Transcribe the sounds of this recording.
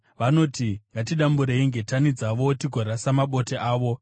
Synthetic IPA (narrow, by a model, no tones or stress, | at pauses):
ʋano̞ːtiŋɡatiɗambuɾeiŋɡe̞tanid͡zaʋo̞tiɡʱoɾasamaɓo̞teʔaːʋo̞